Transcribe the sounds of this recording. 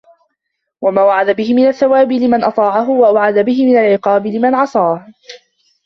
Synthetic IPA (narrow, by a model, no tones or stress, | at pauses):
wamaːwaʕad̪abɪhɪmɪnaθːawaːbɪlɪmanʔɑt̪ˤɑːʕaɦʊwaʔawʕad̪abɪɦɪmɪnalʕɪqɑːbɪlɪmanʕɑsˤɑːh